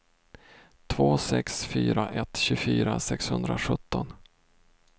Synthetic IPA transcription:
t̪ʰvoːsɛksfyːɾaʔɛt̪ɕɵfyːɾasɛkshɵnd̪ɾaɧɵt̪ːɔn

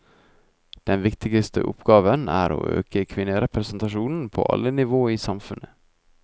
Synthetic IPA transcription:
d̪̥ɛnʋɪkt̪ɪɡəst̪ʰə̰ʔʊ̰pɡɑːʋənæ̰ːɾo̰ːʔø̰ːkəkʰʋɪnəɾɛpɾɛsnt̪ɑʃuːnn̩pʰo̰ːʔɑ̰lːənɪʋoːiːsɑmfʉnʔə

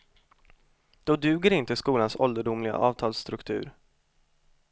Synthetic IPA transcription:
d̪̥ɔd̪ʉ̟ːɡəɾɪnt̪əskuːlansɔld̪əɖʊmlɪɡa̰ʔɑːvt̪ʰɑːlst̪ɾɵkt̪ʰʉ̟ːɾ

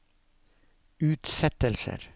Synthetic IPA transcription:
ʉːt̪sɛt̪əlsə̰ɾ

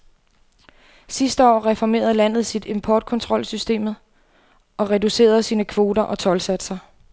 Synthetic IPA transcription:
sisd̥əɒ̰ːʁɛfɒme̝̰ːɐðˠlæn̰ð̞̩ˠsid̥e̝mpʰɒːd̥̚kʰɒ̽nt͡sʰʁɒ̽l̰sysd̥e̝̰ːmð̩ˠ | ʔɒ̽ʁɛduse̝̰ːɐð̩ˠsiːnəkʰʋo̝ːdɐʔɒ̽t͡sʰɒ̽lsæd̥sɐ

